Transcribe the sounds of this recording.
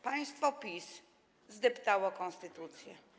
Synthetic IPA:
paj̃st̪fɔpʲis | zd̪ɛpt̪awɔkɔ̃ñst̪ɘt̪ut̪sʲjɛ

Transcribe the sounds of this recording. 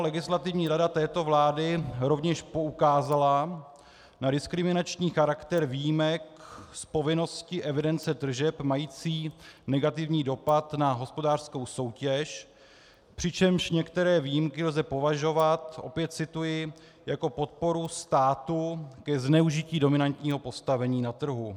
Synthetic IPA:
lɛɡɪslat̪ɪvɲiːɾadat̪ɛːt̪o̞vlaːdɪɾo̞vɲɛʃpo̞ukaːzala | nadɪskɾɪmɪnat͡ʃɲiːxaɾakt̪ɛɾvijimɛkspo̞vɪno̞scɪʔɛvɪdɛnt͡sɛd̪r̩ʒɛpmajiːt͡siːnɛɡat̪ɪvɲiːdo̞pat̪naɦo̞spo̞daːr̥sko̞wso̞wcɛʃ | pr̝̥ɪt͡ʃɛmʃɲɛkt̪ɛɾɛːviːjimkɪlzɛpo̞vaʒo̞vat̪ʔo̞̰pjɛt̪̚t͡sɪt̪ujɪ | jako̞po̞t̪̚po̞ɾust̪aːt̪ukɛznɛuʒɪciːdo̞mɪnant̪ɲiːɦo̞po̞st̪avɛɲiːnat̪r̩ɦu

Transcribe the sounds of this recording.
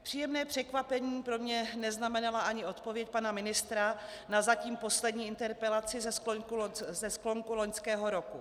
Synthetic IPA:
pr̝̥iːjɛmnɛːpr̝̥ɛkvapɛɲiːpɾo̞mɲɛnɛznamɛnalaʔaɲɪo̞t̪po̞vjɛc̚panamɪnɪst̪ɾanazaciːmpo̞slɛdɲiːɪnt̪ɛɾpɛlat͡sɪzɛsozɛsklo̞ŋkulo̞ɲskɛːɦo̞ɾo̞ku

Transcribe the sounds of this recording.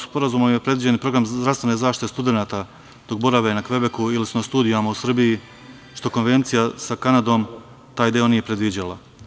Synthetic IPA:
spo̞ɾazuːmomje̞pɾd̪ʋid͡ʑe̞npɾo̞ɡɾamd̪ɾast̪ʋe̞ne̞zaːʃt̪i̥t̪est̪ud̪e̞naːt̪a | d̪̥o̞k̚bo̞ɾaʋenakʋe̞be̞kuilisunast̪uːd̪ijamausr̩biji | ʃt̪o̞ko̞nʋe̞nt̪sijasakanad̪o̞ːm | t̪aːjd̪eo̞nije̞pɾe̞d̪ʋid͡ʑalˠa̰

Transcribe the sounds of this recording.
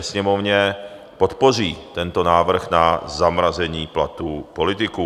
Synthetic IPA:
ɛsɲɛmovɲɛ | pot̪por̝iːt̪ɛnt̪onaːvr̩xnazamɾazɛɲiːplat̪uːpolɪt̪ɪkuː

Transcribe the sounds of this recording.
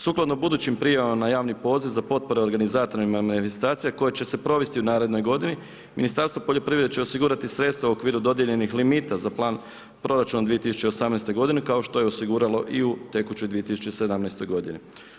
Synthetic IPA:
suːklˠad̪nobud̪uːt͡ɕimpɾijaʋamnajaːʋnipo̞ːziʋzapo̞t̪̚po̞ɾeo̞ɾɡanizaːt̪o̞ɾiimamanife̞st̪aːt̪sijako̞jet͡ɕe̞se̞pɾo̞ʋe̞st̪iunaːɾe̞d̪no̞jɡo̞d̪ini | minist̪aɾst̪ʋopo̞ʎo̞pɾiʋɾed̪et͡ɕt͡ʃe̞o̞siɡuːɾat̪isɾe̞t̪st̪ʋauo̞kʋiːɾud̪o̞d̪je̞ʎe̞nixlimiːt̪azaplˠaːn | pɾo̞ɾat͡ʃunad̪ʋije̞t̪isu̥t͡ɕeosamnejst̪o̞jɡo̞d̪inekao̞ʃt̪o̞je̞osiɡuːɾalo̞ʔiut̪e̞kut͡ɕo̞jd̪ʋije̞t̪isut͡ʃe̞sed̪amnɛjst̪o̞jɡo̞d̪ini

